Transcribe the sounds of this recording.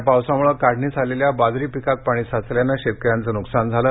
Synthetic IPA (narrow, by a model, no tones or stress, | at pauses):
pawsamuɭəkaɽʱniːt͡sʰaleljabad͡zɾiːpikak̚paɽ̃iːsat͡sljanːaɕet̪̚kəɾjant͡səːnuksand͡zʱalə